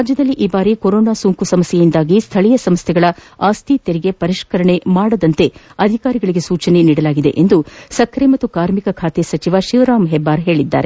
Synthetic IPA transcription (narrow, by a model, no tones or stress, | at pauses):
ɾaːd͡ʒjɐd̪ɐlːiʔiːbaːɾikoɾoːnaːsuŋkusɐmɐsjejind̪aːɡist̪ʰɐɭijɐsɐmst̪ʰɛɡɐɭɐaːst̪ʰit̪eɾiɡe̞pɐɾiʃkɐɾɐɳe̞maːɽɐd̪ɐnt̪e̞ɐd̪ʱikaːɾiɡɐɭiɡe̞suːt͡ʃɐne̞niːɽɐlaːɡid̪e̞ʔend̪usɐkʰɾemɐt̪ːukaːɾmikɐkʰaːt̪esɐt͡ʃiʋaʃiʋɐɾaːmɦebːaːɾɦe̞ːɭid̪ːa̰ːɾe